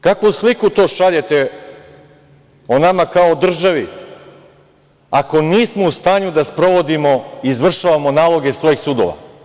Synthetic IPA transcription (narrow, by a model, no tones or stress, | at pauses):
kakʋuslikut̪o̞ːʃaʎet̪e | onamakaod̪r̩ʒaʋi | ako̞niːsmoust̪aːɲud̪aspɾo̞ʋo̞d̪imo̞iːzʋr̩ʃaʋamo̞naːlˠo̞ɡe̞sʋojixsuːd̪o̰ʋa̰